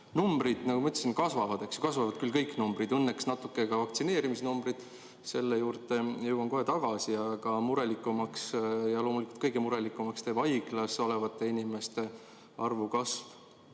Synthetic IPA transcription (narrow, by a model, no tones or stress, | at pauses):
numbɾid̪̥nɑɡumɑyt̪l̥e̥sinkɑsvɑvɑd̪̥eksjukɑsvɑvɑd̪̥̚kylkɤjkːˑnumbɾid̪ɤnːeksnɑt̪ːˑukːe̞ɡɑvɑkt̪sine̞ːɾimisnumbrid̪̥ | se̞lːejuːrt̪e̞jɤwɑnko̞ɦe̞t̪ɑɡ̥ɑsiɑɡ̥ɑmuɾe̞likːˑumɑksjɑlo̞ːmulikult̪kɤjɡ̥e̞muɾe̞likːˑumɑkst̪eːb̥ɑjɡlɑso̞levɑt̪ːˑe̞inime̞st̪e̞ | ɑrvukɑsv